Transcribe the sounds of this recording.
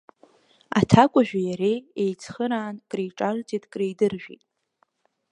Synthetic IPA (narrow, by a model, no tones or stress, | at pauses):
a̰tʰakʷʼaʒᶣajaɾejejt͡sʰχəɾaːnkʼrejʈ͡ʂʼart͡sʼitʼkʼrejdɨrʒᶣḭtʼ